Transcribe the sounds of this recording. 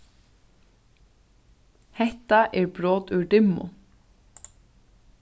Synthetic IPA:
hɛht̪aʔɛɹbɾoːt̪ʉɖ̪ɪmːʊ̰

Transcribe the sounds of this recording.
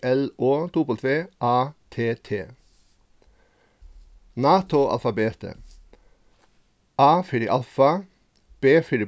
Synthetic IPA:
ɛloːt̪uːpəlt̪ʋeːʔɑːt̪ʰeːt̪ʰeː | nɑːt̪ʊʔɑ̰lfɑbeːt̪ə̰ | ʔɑːfɪɾɪʔɑlfɑ | b̥eːfɪɾɪ

